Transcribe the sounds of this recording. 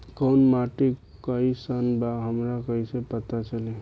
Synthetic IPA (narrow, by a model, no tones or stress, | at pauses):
kənmaʈikkːəisənbaɦəmɾakəɦisepət̪at͡ʃəle